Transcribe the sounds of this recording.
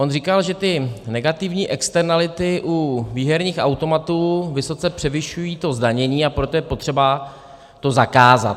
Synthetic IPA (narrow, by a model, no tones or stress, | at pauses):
ʔo̞nriːkalʒɛt̪ɪnɛɡat̪ɪvɲiːʔɛkst̪ɛɾnalɪt̪ɪʔuviːɦɛɾɲiːxawt̪o̞mat̪uːvɪso̞t͡sɛpr̥ɛvɪʃujiːt̪o̞zdaɲɛɲiːapɾo̞t̪ojɛpo̞t̪r̝̥ɛba | t̪o̞zakaːza̰t̪